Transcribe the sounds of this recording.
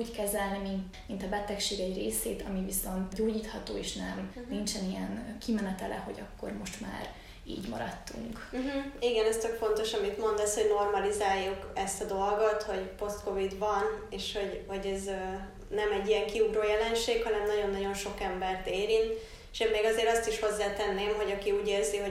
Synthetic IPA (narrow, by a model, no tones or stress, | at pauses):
uːckɛzɛlnimint̪ | mint̪ɒbɛt̪ɛkʃeːɡɛireːseːt̪ɒmiviso̞nt̪ɟoːɟiːt̪hɒt̪oːeːʃnɛmint͡ʃɛnijɛnkimɛnɛt̪ɛlʔɛ̰ho̞̰ɟɒkːo̞̰rmo̞ʃt̪ma̰ːr | ḭːɟmɒ̰ɾɒ̰t̪ːṵŋk̩ɦ̩iɡɛnɛst̪økfo̞nt̪o̞ʃɒmit̪mo̞nd̪ɛsho̞ɟno̞rmɒlizaːjːukɛst̪ɒd̪o̞lɡot̪ho̞ɟpo̞st̪ko̞vid̪vɒneːʃho̞ɟho̞ɟɛz | nɛmɛɟːijɛŋkiuɡɾoːjɛlɛnʃeːkhɒnɛmnɒɟo̞nːɒɟo̞nʃo̞kɛmbɛrt̪eːɾint̪ | ʃemːeːɡɒzeːɾɒst̪iʃho̞zːaːt̪ɛnːeːmɦo̞ɟɒkiuːɟeːrziɦo̞